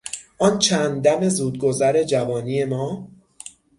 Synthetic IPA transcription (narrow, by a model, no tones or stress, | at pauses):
ʔɒːnt͡ʃʰæːnd̪d̪æme̞zuːd̪̚ɡozæɾe̞d͡ʒævɒːniːje̞mɒː